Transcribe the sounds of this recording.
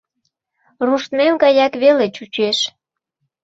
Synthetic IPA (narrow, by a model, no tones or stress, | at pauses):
ruʃt̪memɡɑjɑkβelet͡ɕut͡ɕeʃ